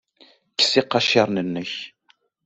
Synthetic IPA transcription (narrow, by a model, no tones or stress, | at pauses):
kə̥siqːɑʃɑɾˤnənːəç